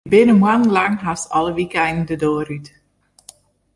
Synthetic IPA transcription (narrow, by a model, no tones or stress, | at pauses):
bɪnəmwann̩laŋɦastɑləʋikɛnn̩dədoːəɾyt